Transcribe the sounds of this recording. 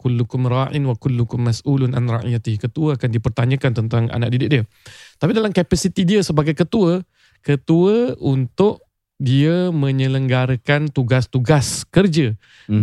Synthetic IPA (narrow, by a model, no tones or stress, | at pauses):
kulːukʊmɾaʔɪnwakʊlːukʊmːasʔulʊnʔa̰nra̰ʔjat̪ɪhkət̪uəakandipərt̪aɲə̃kant̪ənt̪aŋa̰nak̚ʔ̚didɪk̚diə | t̪apidalamkapasit̪idiəsəbaɡajkət̪uə | kət̪uəunt̪ʊʔ | diəmə̃ɲə̃ləŋɡaɾəkant̪uɡast̪uɡaskərd͡ʒə